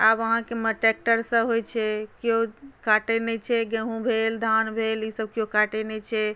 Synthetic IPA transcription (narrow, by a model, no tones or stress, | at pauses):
abəɦãkeməʈek̚ʈəɾsə̃ɦojt͡ʃʰɛkokaʈenɛt͡ʃʰɛɡẽɦũbʱeld̪ʱanbʱelisəb̚kjokaʈenɛt͡ʃʰɛ